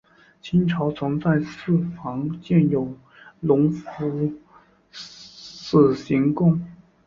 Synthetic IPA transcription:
t͡ɕʰi˥nʈ͡ʂʰɑ˧˥ʊt͡sʰɤ˧˥ŋt͡sa˥˧ɪsɹ̩˥˩fɑ˧˥ŋt͡ɕjɛ˥˩njo˨˩ʊ | lʊ˧˥ŋfu˧˥ | sɹ̩˥˩ɕi˧˥ŋt̪ʊ˥˩ŋ

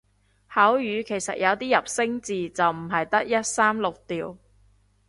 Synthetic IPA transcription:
haː˨˥wjyː˨˧kʰe˨˩jsɐ˨t̚jɐ˨˧wt̪iː˥jɐ˨p̚sɪ˥ŋt͡siː˨t͡sɐ˨wm̩˨˩ɦɐ˨jt̪ɐ˥k̚jɐ˥t̚saː˥mlʊ˨k̚t̪iː˨w

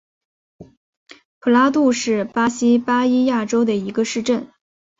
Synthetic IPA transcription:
pʰu˨˩la˥t̪u˥˧ʂɻ̩˥˩pa˥ɕi˥pa˥i˥ja˥˩ʈ͡ʂo˥ʊd̪ə˨i˧˥ɡə˧ʂɻ̩˥˧ʈ͡ʂə˥˩n

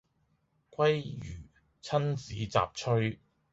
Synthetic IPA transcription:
kʷwɐ˥jjyː˨˩ | t͡sʰɐ˥nt͡siː˨˥t͡sa̰ː˨p̚t͡ʃʰɵ˥ɥ

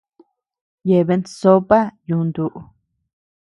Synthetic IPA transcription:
je˨βe˧˦nso˦pa˦jũ˨˧nd̪u˨ʔu˨˧

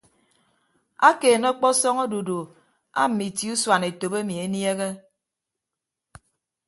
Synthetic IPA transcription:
a˦keː˨nɔ˦k͡pɔ˦sɔ˦ŋo˦du˨du˨ | a̰˦m̩˨mi˨ti˨˦u˦swa˨ne˨to˨be˦mi˨e˨nje˦ɣe˦

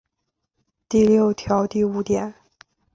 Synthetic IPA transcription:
t̪i˥˧ljo˥˩ʊt̪ʰjɑ˧˥ʊt̪i˥˩u˧˥t̪jɛ˨˩˦n

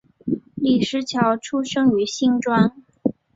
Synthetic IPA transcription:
li˥˩ʂɻ̩˧˥t͡ɕʰjɑ˧˥ʊʈ͡ʂʰu˥ʂɤ˥ŋy˧˥ɕi˥˧ŋʈ͡ʂwa˥n

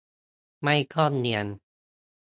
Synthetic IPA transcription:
ma˥˩jkʰɔː˥˩nni˧ən

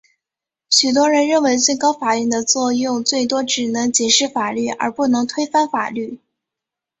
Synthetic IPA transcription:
ɕy˨˩t̪̬wɔ˥ɻə˧˥nɻə˥˩nwe˧˥ɪt͡swe˥˧ɪkɑ˥ʊfa˨˩jɛ˥˩d̪ə˨t͡swɔ˥˧jʊ˥˧ŋt͡swe˥˩ɪt̪wɔ˥ʈ͡ʂɻ̩˨˩nɤ˧˥ŋt͡ɕɛ˨˩ʂɻ̩˥˩fa˨˩ly˥˩ʔə̰˞˧˥pu˥˩nɤ˧˥ŋt̪ʰwe˥ɪfa˥nfa̰˨˩ly˥˩

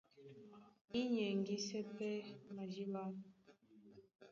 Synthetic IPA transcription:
i˦ɲɛ˨ŋɡi˦sɛ˦pɛ˦ma˨d͡ʒi˦la˦

